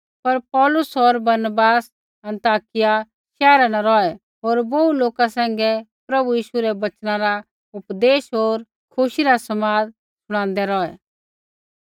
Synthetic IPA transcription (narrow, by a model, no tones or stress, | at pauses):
pɐɾpɔːlʊsɔɾbɐɾnəbaːs | ɐ̃nt̪aːkɪja | ʃɛːɾanaɾɔːɛ | ɦoːɾbouloːkasɛ̃ːŋ̆ɡɛpɾɐbujiːʃuɾɛbɐt͡ʃnãɾa | ʊpd̪eːʃɦoːɾ | kʰʊʃiɾasɐmaːd | sʊɽ̃ãːnd̪ɛɾɔːɛ